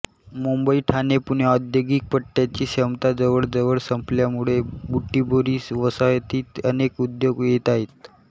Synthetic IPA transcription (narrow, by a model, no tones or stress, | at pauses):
mumbəiʈʰanepuɳɔd̪joɡik̚pəʈːjat͡ɕiːɕəmt̪ad͡zəʋəɭd͡zəʋəɭsəmpljamuɭebuʈːiboɾiːsʋəsajt̪iːt̪ənekud̪joɡjet̪aɦet̪̚